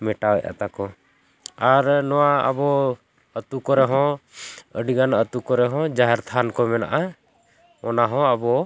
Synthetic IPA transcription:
mɛʈawɛ̰ʔʔa̰t̪akɔ | aɾnɔwaə̰bɔ | ət̪ukɔɾɛɦɔ̃ | əɖiɡanət̪ukɔɾɛɦɔ̃d͡ʒaɦɛɾt̪ʰankɔmɛna̰ʔa | ɔnaɦɔ̃əbɔ

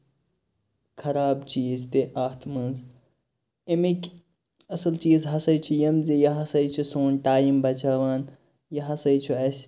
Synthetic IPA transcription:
kʰɐɾaːbt͡ʃiːzt̪eʔaːt̪ʰmɐnz | emikʲ | ɐsɐlt͡ʃiːzɦɐsɐjt͡ʃʰijɐmzijɐɦɐsɐjt͡ʃʰusoːnʈaːjimbɐt͡ʃaːʋaːn | jɐɦɐsɐjt͡ʃʰuɐsʲ

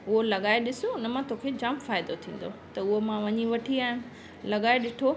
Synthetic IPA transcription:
ʊɦolɐɠaːeɗɪsoʊnɐmãt̪okʰed͡ʑɐ̃mpfaːɪd̪ot̪ʰĩːn̆d̪ot̪ɐʊɦomãʋɐɲiʋɐʈʰiaːɦɪnʊ | lɐɠaːeɗɪʈʰo

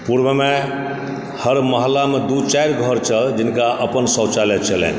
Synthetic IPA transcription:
puɾbəme | həɾməɦlamed̪ut͡ʃajɾɡʱəɾt͡ʃʰəld͡ʒinkaʔəpənsə̃t͡ʃalɛt͡ʃʰəlɛ̰n

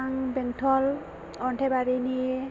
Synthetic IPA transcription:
ŋbɛŋtʰɔl | ɔnʈʰebaɾini

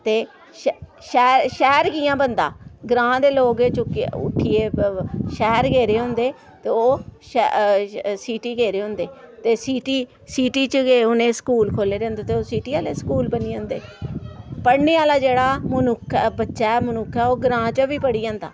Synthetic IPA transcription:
t̪eː | ʃɛːɾʃɛːɾɡiːjãːbənd̪a̰ːɡɾãːd̪eːloːɡet͡ʃkʊ̰ʈʰːiːeːʃɛːɾɡeːɾeːɦʊ̃ːnd̪eː | t̪eːoːʃ | siːʈiːɡeːɾeːɦʊ̃ːnd̪eːt̪eːsiːʈiː | siːʈiːt͡ʃeʊnẽːskuːlkʰoːleːɾẽːnd̪eːt̪eːoːsiːʈiːaːleːskuːlbəniːʊ̃ːnd̪ḛː | pəɽneːaːlaːd͡ʒeːɽaːmənʊkʰbətːʃɛːmənʊkʰːɛːoːɡɾãːt͡ʃəʋiːpəɽiːd͡ʒãːnd̪a̰ː

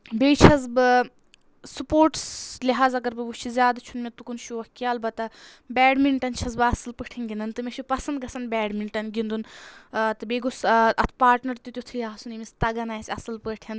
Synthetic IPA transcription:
bʲeːt͡ʃʰɐzbɨ | supoːɾʈslʲiɦaːzɐɡɐɾbɨʋut͡ʃʰizʲjaːd̪t͡ʃʰunmʲet̪ukunʃuʋɐkjaːlbɐt̪ɐ | bʲɛːɖmiɳʈɐnt͡ʃʰɐzbɐsɨlpəʈʰinɡʲind̪ɨnt̪ɨmʲeʃʰupɐsɐnd̪ɡɐsɐnbʲɛːɖmiɳʈɐnɡʲind̪unt̪ɨbeːɡusʔɐt̪ʰpaːɾʈnɐɾt̪ut̪jut̪ʰɨjaːsunimist̪ɐɡɐnaːjsʲɐsɨlpəʈʰjɐn

